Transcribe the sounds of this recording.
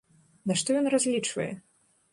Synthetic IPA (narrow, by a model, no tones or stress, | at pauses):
naʂt̪ɔjɔnrazʲlʲit͡ʂvɐ̰jɛ̰